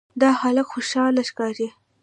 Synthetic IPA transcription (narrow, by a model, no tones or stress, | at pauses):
d̪ɑxaləkxoʃɑlaʃkɑɾe